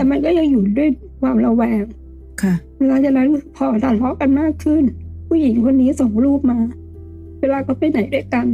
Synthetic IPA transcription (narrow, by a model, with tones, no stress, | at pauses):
t̪ɛː˨˩ma˧nk̬ɔː˥˩ja˧ŋjuː˨˩du˥˩əj | kʰwaː˧mɾa˧wɛː˧ŋ | kʰa˥˩ | e˧laː˧t͡ɕa˧˩na˦˥npʰɔː˨˩daː˨˩nlɔ˦˥ka˧nmaː˥˩kʰːɯ˥˩npʰuː˥˩ji˨˩˦ŋkʰo˧nːiː˦˥sɔ˨˩˦ŋɾuː˥˩p̚maː˧ | weː˧laː˧kɔː˥˩pa˧˩jna˩˦jdu˥˩əjka˧n